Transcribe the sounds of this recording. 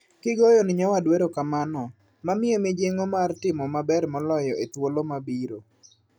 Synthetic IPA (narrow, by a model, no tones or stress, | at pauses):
kɪɡɔjɔnɪɲawadweɾokamanɔ | mamɪomɪd͡ʒeŋomartɪmɔmabɛrmɔlɔjɔʔet̪wolomabiɾo